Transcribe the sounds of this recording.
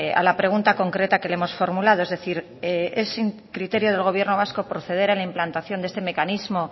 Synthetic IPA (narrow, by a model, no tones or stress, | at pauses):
a̰lapɾe̞ɣ̞unt̪ako̞ŋkɾe̞t̪ake̞leemo̞sfo̞ɾmulað̞o̞e̞zðe̞θiɾ | eesi | kɾit̪e̞ɾjo̞ð̞e̞lɣo̞β̞je̞ɾno̞β̞asko̞pɾo̞θe̞ðe̞ɾalaimplant̪aθjo̞nd̪est̪e̞me̞kanizmo̞